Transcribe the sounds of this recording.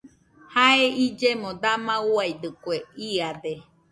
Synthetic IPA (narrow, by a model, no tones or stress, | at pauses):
haeid͡ʒemõd̪amãuajd̪ɯkweiad̪e